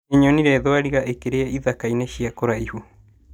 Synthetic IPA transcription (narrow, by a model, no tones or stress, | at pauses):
eɲoniɾeðoaɾiɣaʔekeɾeaiðakaineʃiakoɾaihu